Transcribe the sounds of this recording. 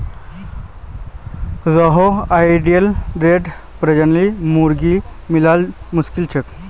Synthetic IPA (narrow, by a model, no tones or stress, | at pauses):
zɔɦoajɖijelɾeɖ | pɾed͡ʒənlimuɾɡimilalmuskilt͡ʃʰek